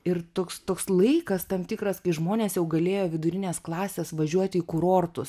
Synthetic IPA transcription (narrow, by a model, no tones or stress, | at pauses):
ɪrt̪oːkst̪oːkslˠɐɪkɐst̪ɐmt̪ʲɪkɾɐskɐɪʒmoːnʲeːsjɛʊɡɐlʲeːjoːʋʲɪd̪ʊɾʲɪnʲeːsklˠɑːsʲeːsʋɐʒʲuɔt̪ʲiːkʊɾoːrt̪ʊs